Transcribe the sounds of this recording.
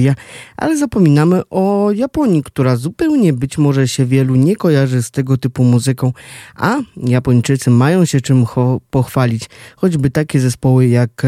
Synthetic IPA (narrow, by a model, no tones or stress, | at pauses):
jaʔa̰lɛzapɔmʲinamɘʔɔjapɔɲikt̪uɾazupɛwɲɛbɘt͡ɕmɔʐɛɕɛvʲjɛluɲɛkɔjaʐɘst̪ɛɡɔt̪ɘpumuzɘkɔ̃w̃ʔajapɔɲt͡ʂɘt̪sɘmajɔ̃w̃ɕɛt͡ʂɘmpɔxfalʲit͡ɕxɔd͡ʑbɘt̪akʲɛzɛspɔwɘjak